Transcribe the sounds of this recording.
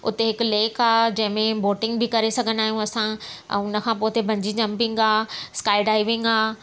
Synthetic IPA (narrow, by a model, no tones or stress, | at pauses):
ʊ̰t̪eɦɪkʊleːkaːd͡ʑɐ̃ɦɪ̃mẽboːʈɪ̃ŋɡbʱɪkɐɾesɐɡʱənaːɦijũɐsã̰ːʊnə̆kʰãːpoːt̪ebʱɐ̃ɲd͡ʑid͡ʑɐ̃mpɪ̃ŋɡaːskaːɪɖaːiʋɪ̃ŋɡaː